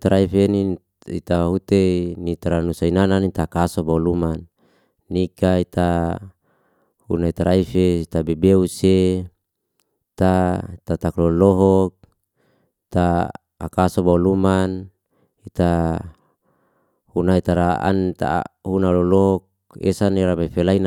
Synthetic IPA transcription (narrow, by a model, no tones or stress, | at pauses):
t̪aɾaifeni | ḭt̪aɦut̪enit̪aɾanusainananit̪akasobaulumanː | ikait̪a | hṵnait̪aɾaifeit̪abebeuse | it̪ait̪at̪aklolɔɦɔk̚ | it̪a̰ː | kasobauluman | it̪a | hunait̪aɾaa̰nt̪a̰hunaloloɦɔk̚ | ḛsaneɾamafelain